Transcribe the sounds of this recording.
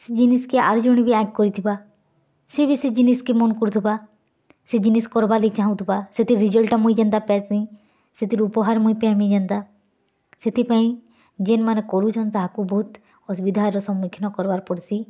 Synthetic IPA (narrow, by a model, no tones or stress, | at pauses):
sid͡ʒiniskeʔa̰ɾd͡ʒɔɽ̃ibʱiakkɔɾit̪ʰiba | sebʱisid͡ʒiniskemɔnkuɾt̪ʰuba | sed͡ʒiniskɔɾbalit͡ʃaɦũt̪ʰbaset̪ʰiɾid͡ʒɔlʈamuĩd͡ʒãnd̪apɛsĩ | set̪ʰiɾupɔɦaɾmuipɛɦamĩd͡ʒant̪a | set̪ʰipaĩ | d͡ʒenmanekɔɾut͡ʃʰɔnt̪aɦakubʱɔut̪ | ɔsbid̪ʱaɾɔsɔ̃mikʰnɔkɔɾbaɾpɔɽsi